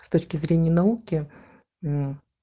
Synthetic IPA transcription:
st̪o̞t͡ɕkʲɪzɾʲenʲɪjənɐukʲɪ

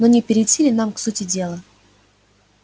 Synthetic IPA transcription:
nonʲɪpʲɪɾʲɪtʲilʲɪnamksutʲɪdʲe̞lˠə

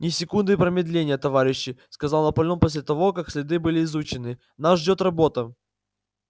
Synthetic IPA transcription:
nʲɪsʲɪkund̪ɨpɾəmʲɪd̪lʲenʲɪjət̪ɐvaɾʲɪɕːɪskɐzalˠnɐpɐlʲnomposʲlʲɪt̪ɐvo̞kaksʲlʲɪd̪ɨbɨlʲɪːzut͡ɕɪnɨ | naʐdʲot̪rɐbo̞t̪ə

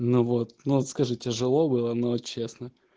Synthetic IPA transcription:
nuvot̪̚nut̪skɐʐɨtʲɪʐɨlˠobɨlˠənot͡ɕesnə

